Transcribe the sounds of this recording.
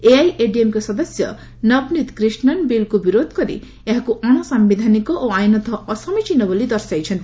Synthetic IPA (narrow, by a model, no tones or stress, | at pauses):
eajʔeɖiemkɔsɔd̪ɔsjɔ̰ | nʌbnit̪kɾisnɔnbilkubiɾod̪ʱɔ̥kɔɾḭ | eɦakuʔɔɽ̃ɔsambid̪ʱanikɔʔoajnɔt̪ʰɔɔsɔmit͡ʃinɔbolid̪ɔɾsajt͡ʃʰɔnt̪i